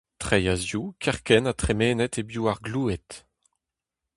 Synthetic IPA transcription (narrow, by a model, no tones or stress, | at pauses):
t̪χejazjukʰɛʁkɛnat̪χemeːnɛt̪ebjuːaʁɡluːet̪